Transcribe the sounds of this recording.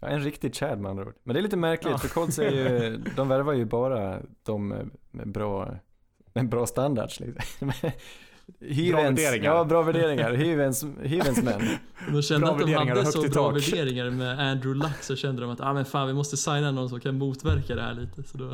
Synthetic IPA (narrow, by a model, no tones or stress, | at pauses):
jɑ̰ːɛnɾɪkt̪ɪɡ̪ɕæːɖma̰ndɾo̰ːd̪mɛnd̪ɛɾɭliːt̪əmæɾklɪfœɾkʰɔlsɛjɵd̪ɔmvæɾvajɵbɑːɾad̪̥ɔm̰mɛ̰bɾɑː | mɛbɾɑːst̪and̪a̰ɖʂlɪ̰ksmɛ | hyːvɛnɾɪɑːbɾɑːvæɖeːɾɪŋaɾhyːvɛnshyːvɛnsmɛ̰nː | d̪ɔʃɛndɾavd̪ɔmad̪əhsɔb̪ɑːvæɖeːɾɪŋaɾmɛænd̪ɾʊlaksɔɕɛnd̪əd̪ɔmat̪aːmɛnfaːnvɪmɔst̪əsajnanɔnsɔmkʰanmuːt̪væɾkad̪ɛhæ̰ːɭiːt̪əsɔd̪ɔ